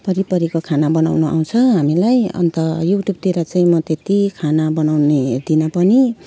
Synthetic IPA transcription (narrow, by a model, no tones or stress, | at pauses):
pʌɾipʌɾikokʰanabʌna̰wnuʔa̰w̃t͡sʰʌɦamilajʌ̰nt̪ʌjuʈjub̚t̪iɾat͡sʌĩmʌt̪et̪ikʰanabʌnawned̪inʌpʌni